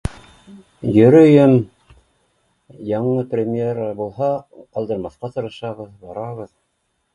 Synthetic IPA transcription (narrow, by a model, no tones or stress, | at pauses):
jɵ̆ɾɵjɘm | jɑɴɤprʲɪmʲeɾbulˠɦɑqɑlˠd̪ɤ̆ɾmɑθqɑt̪ɤ̆ɾɤ̆ʃɑβɤðbɑɾɑβɤð